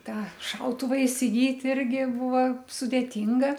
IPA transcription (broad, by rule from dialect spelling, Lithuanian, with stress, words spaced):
ˈtɑː ˈʃɐʊtʊʋɐ ɪsʲɪˈɡʲiːtʲ ˈɪrʲɡʲɪ ˈbʊʋɐ sʊdʲeːˈtʲɪŋɡɐ